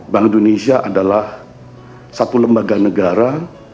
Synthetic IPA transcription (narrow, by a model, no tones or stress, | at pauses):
baŋindonesiaʔadalah | sat̪uləmbaɡanəɡaɾa